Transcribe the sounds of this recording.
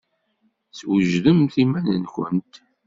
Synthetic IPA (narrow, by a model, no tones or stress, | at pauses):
swəʒðəmθimænənçʷə̰nt̪